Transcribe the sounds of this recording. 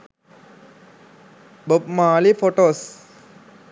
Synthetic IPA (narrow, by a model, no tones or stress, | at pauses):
bop̚maːlifoʈos